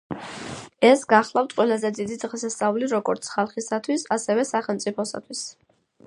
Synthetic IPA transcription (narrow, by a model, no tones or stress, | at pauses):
ɛsɡaχlˠaft̪ʰʼqʼwɛlˠazɛd̪id̪id̪ʁɛsast̪sʼauliɾɔɡɔɾt̪sʰχalˠχisat̪ʰwisasɛvɛsaχɛlˠmt̪sʼipʰɔsa̰t̪ʰwis